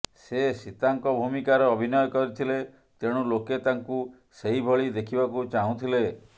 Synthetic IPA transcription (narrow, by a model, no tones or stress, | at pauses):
sesit̪aŋkɔbʱumikaɾɔːbʱinɔjɔkɔɾit̪ʰile | t̪eɽ̃uloket̪aŋku | seɦibʱɔɭid̪ekʰibakut͡ʃaɦũt̪ʰile